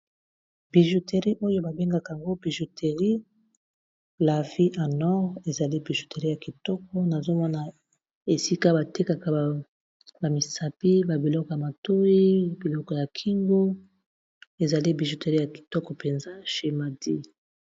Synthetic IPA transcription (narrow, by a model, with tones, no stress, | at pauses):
b̥i˨ʒu˨te˨ʁi˦ʔo˦jo˦ba˨be˦ŋɡa˦ka˨a˨ŋɡo˦bi˨ʒu˨tʰe˨ʁi˦ | la˨vi˦ʔa˨nɔ˦ʁe˨za˨li˦bi˨ʒu˨te˨ʁi˦ja˨ki˨tɔ˦kɔ˦na˨zo˦mɔ˦na˨ | e˨si˦ka˦ba˨te˦ka˨ka˨ | ba˨mi˨sa˨pi˦ba˨bi˨lɔ˦kɔ˨ja˨ma˨to˦i˦bi˨lɔ˦kɔ˨ja˨kʰi˦ŋɡo˦ | e˨za˨li˦bi˨ʒu˨te˨ʁi˦ja˨ki̥˨tɔ˦kɔ˨pe˨nza˦ʃe˨ma˨di˦